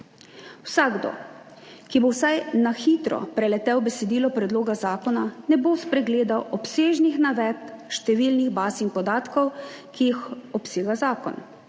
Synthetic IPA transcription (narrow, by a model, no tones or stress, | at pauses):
wsaɡd̪o̰ | kibowsajnaxiːt̪ɾɔ̰pɾɛlɛt̪ɛwbɛsɛd̪iːlɔpɾɛd̪loːɡazaːkɔnanɛboːspɾɛɡleːd̪awʔɔpseːʒnixnaʋɛt̪ʃt̪ɛʋilniɣbaːsinpɔd̪aːt̪kɔwkiixɔpseːɡazaːkɔ̰n